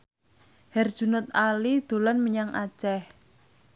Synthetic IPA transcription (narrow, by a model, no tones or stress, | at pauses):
hɛrd̥ʒ̥ṳnət̪̚alid̪̥o̤lɔnməɲaŋʔa̰t͡ʃɛh